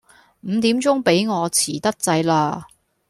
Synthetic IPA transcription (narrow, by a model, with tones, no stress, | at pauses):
m̩ː˨˧t̪iː˨˥mt͡sʊ˥ŋpe˨˥jŋɔː˨˧t͡sʰiː˨˩t̪ɐ˥k̚t͡sɐ˧jlaː˧